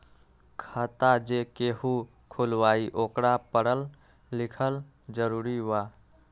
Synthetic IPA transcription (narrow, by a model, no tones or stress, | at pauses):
kʰət̪ad͡ʒekehu | kʰulʋaiʔokɾapəɽəlː | ikʰəl | d͡ʒəɾuɾiwa